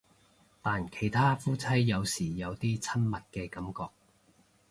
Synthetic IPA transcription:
t̪aː˨nkʰe˨˩jt̪ʰaː˥fuː˥t͡sʰɐ˥jːɐ˨˧wsiː˨˩jɐ˨˧wt̪iː˥t͡sʰɐ˥nmɐ˨t̚kɛː˧kɐ˨˥mkɔː˧k̚

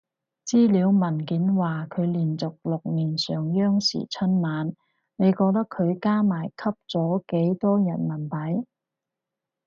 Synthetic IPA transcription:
t͡siː˥liː˨˧˥wmɐ˨˩nkiː˨˥nwaː˨kʰɵ˨˧ɥliː˨˩nt͡sʊ˨k̚lʊ˨k̚niː˨˩nsœː˨˩ŋjœː˥ŋsḭː˨˩t͡sʰɵ˥nmaː˨˥n | ne˨˧jkɔː˧k̚t̪ɐ˥kʰɵ˨˧ɥkaː˥maː˨˩jkʰɐ˥p̚t͡sɔː˨˥ke˨˥jt̪ɔː˥jɐ˨˩nmɐ˨˩npɐ˨˥j

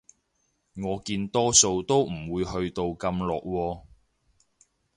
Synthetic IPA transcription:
ŋɔː˨˧kiː˧nt̪ɔː˥so˧wt̪o˥wm̩˨˩wuː˨˧jhɵ˧ɥt̪o˧wkɐ˧mlɔː˨k̚wɔː˧

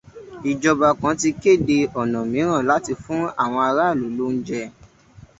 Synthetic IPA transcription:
i˨d͡ʒɔ˧ba˧kã˨˦ti˧ke˦˨de˧ɔ˨nã˨mĩ˨˦ɾ̃ã˦˨la˨˦ti˧fũ˦a˦˨w̃ɔ̃˧a˧ɾa˦˨lo˨˦lu˦n̩˦d͡ʒɛ˧

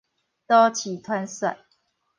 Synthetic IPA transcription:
t̪ɔ˦t͡ɕʰi˨˩t̪ʰwa˦nsa̰˨˩ɪ

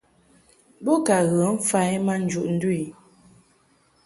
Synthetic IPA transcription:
bɔ˦ka˨ɣə˨˦ɱ̩˦fa˦jma˦n̩˦d͡ʒu˨ʔn̩˦dwi˨

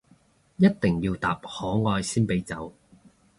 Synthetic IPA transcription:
jɐ˥t̚t̪ɪ˨ŋjiː˧wt̪a̰ː˨p̚hɔː˨˥ŋɔː˧jsiː˥npe˨˥jt͡sɐ˨˥w

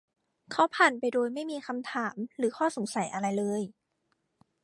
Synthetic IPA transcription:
kʰa˦˥wpʰaː˨˩npa˧jdoː˧jma˥˩jmiː˧xa˧mt̪ʰaː˩˦mɾɯː˩˦xʰɔː˥˩so˩˦ŋsa˩˦jʔa˧ɾa˧jlɤː˧j

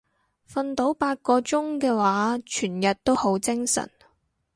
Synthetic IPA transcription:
fɐ˧nt̪o˨˥wpaː˧t̚kɔː˧t͡ʃʊ˥ŋkɛː˧waː˨˥t͡ʃʰyː˨˩njɐ˨t̚t̪o˥who˨˥wt͡sɪ˥ŋsɐ̰˨˩n

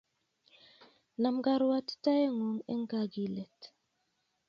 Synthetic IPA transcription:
na˨mɡa˦ɾwa˦ti̥˦ta˦je˦ŋo˨ŋɛ̰˦ŋ˦ɡa˦˨ɡi˨lɛ˨t

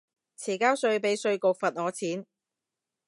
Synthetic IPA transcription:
t͡sʰiː˨˩kaː˥wsɵ˧ɥpe˨˥jsɵ˧ɥko˨k̚fɐ˨t̚ŋɔː˨˧t͡sʰiː˨˥n

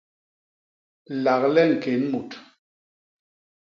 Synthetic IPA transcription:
la˨klɛ˦ŋ̩˨ke˨˦nmu˨t

